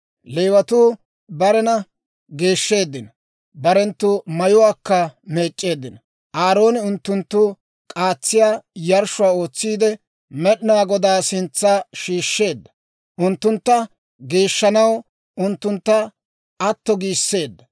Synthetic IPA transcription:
leːwɐt̪uː | bɐɾɛnɐ | ɡe̞ːʃːe̞ːd̪ːɪnɐ | bɐɾɛnt̪ːʊmɐjʊwaːkːɐme̞ːt͡ʃʼːe̞ːd̪ːɪnɐ | ʔaːɾo̞ːnɪʊnt̪ːʊnt̪ːʊ | kʼaːt͡sːɪjaːjɐɾʃʊwaːo̞ːt͡sːiːd̪ɛ | mɛɗɪnaːɡɔd̪aːsɪnt͡sːaːʃiːʃːe̞ːd̪ːɐ̥ | ʔʊnt̪ːʊnt̪ːɐ | ɡeːʃːɐnɐw | ʊnt̪ːʊnt̪ːɐ | ʔɐt̪ːɔɡiːsːe̞ːd̪ːɐ

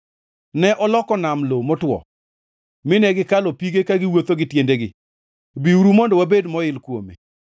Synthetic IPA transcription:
nɛʔɔlɔkɔnamlomɔtwɔ̰ | mɪnɛɡɪkalɔpiɡekaɡɪwot̪oɡɪtjendeɡɪ̰ | biuɾumɔndɔwabedmɔɪlkwomḛ

